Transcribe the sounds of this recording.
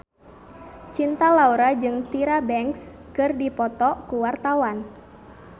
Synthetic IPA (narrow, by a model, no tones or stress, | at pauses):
t͡ʃint̪alauɾad͡ʒɨŋt̪iɾabɛŋks | kɨrdipɔt̪ɔkuwart̪awan